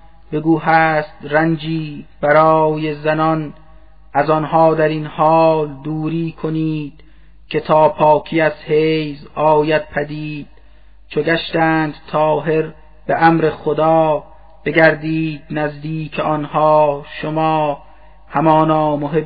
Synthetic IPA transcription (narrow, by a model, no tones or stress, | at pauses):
b̥e̞ɡuːɦæːst̪ɾænd͡ʒiːb̥æɾɒːjezænɒn | ʔæzɒnɦɒːd̪æɾinhɒːld̪uːɾiːkʰoniːd̪̥ | kʰe̞t̪ʰɒːpʰɒːkʰiæzhejzɒːjæd̪̥̚pʰæd̪iːd̪̥̚ | t͡ʃʰoɡæʃt̪æːnd̪̥t̪ʰɒːɦe̞ɾ | b̥eʔæmɾexod̪ɒː | b̥e̞ɡæɾd̪iːd̪̥̚næzd̪iːkʰeʔɒnhɒːʃomɒː | hamɒːnɒːmoɦe